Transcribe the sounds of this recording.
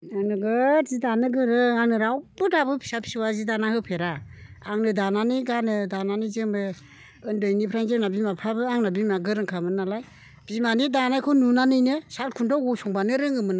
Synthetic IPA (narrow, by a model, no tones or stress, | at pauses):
aŋnɯɡɯzidanɯɡɯɾɯaŋnɯɾawbɯdabɯpʰi̥sapʰi̥siwazidanahɯpʰeɾaaŋnɯdananiɡanɯdananizɯme | ɯndojnipʰɾanzɯŋnabimapʰabɯaŋnabimaɡɯɾɯŋkʰamɯnːalaj | b̥imanidanajkʰɯnunanɯjnɯsalkʰundɔwɡɔsɔŋbanɯɾɯŋɯmɯna